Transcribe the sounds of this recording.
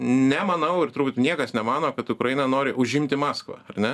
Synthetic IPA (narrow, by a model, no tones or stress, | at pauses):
nʲɛmɐnɐʊɪrt̪ʊɾbuːt̪ʲnʲiɛkɐsnʲɛmɑːnoːkɐt̪ʊkɾɐjɪnɐnoːɾʲɪʔʊʒʲɪmʲt̪ʲɪmɑːskʋɑ̰ːɐrnʲɛ